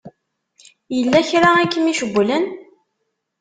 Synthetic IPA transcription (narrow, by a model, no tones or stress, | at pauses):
jəlːæçɾaækːəmiʃəɡʷːlən